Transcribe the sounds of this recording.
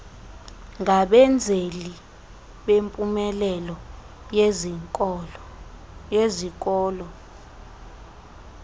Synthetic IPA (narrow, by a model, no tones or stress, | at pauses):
ŋʱaɓɛnd͡zʱeli | ɓempʼumɛlɛlɔ | ezikʼɔːlɔ